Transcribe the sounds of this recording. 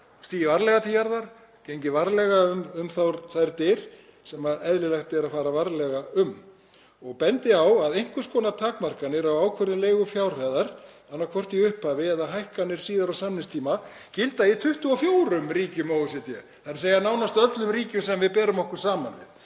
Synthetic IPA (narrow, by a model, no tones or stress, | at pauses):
st̪iːjɪvaɾlɛɣat̪ʰiːjaɾðaɾ̥ | cejɲcɪvaɾlɛɣaʏmʏmθawɾθajɾt̪ɪɾ̥ | sɛmaɛðlɪlɛxt̪ɛɾaðfaːɾavaɾlɛɣaʏm | ɔɣpɛnt̪ɪawaðejŋ̥kvʏskɔːnat̪ʰaːkmar̥kanːɪɾawawkʰvœɾðɪleːjɣʏfjawr̥ajðaɾ | anːakʰɔr̥t̪iʏhphavɪɛðaɦajhkanːɪɾ̥siːðaɾawsamnɪnst̪ʰiːma | cɪlt̪ajɪt̪ʰʏht̪ʏafjoːwɾʏmriːcɪʏmowʏsɛt̪jɛ | θaɾɪɾ̥seːjanaːwnast̪œt̪lʏmriːcʏmsɛmvɪðpɛːɾʏmɔhkʏɾ̥saːmanvɪ̰ð